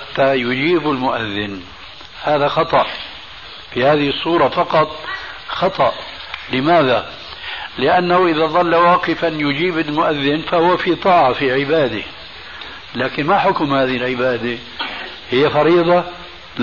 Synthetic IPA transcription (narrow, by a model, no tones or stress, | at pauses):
at̪ːajʊd͡ʒiːbɪlmʊʔaðːɪn | haːðaxɑt̪ˤɑʔ | fihaːðɪhɨsˤːuːɾˤɑfɑqɑt̪ˤxɑt̪ˤɑʔlɪmaːða | lɪʔanːahʊʔɪðaðˤɑlːawɑːqɪfanjʊd͡ʒiːbɪlmʊʔaðːɪnfahʊwːafit̪ˤɑːʕɑfiʕɪbaːd̪e | laːkɪnmaħʊkʊmhaːðɪɪlʕɪbaːd̪e | hɪjːafɑɾiːd̪ˤɑ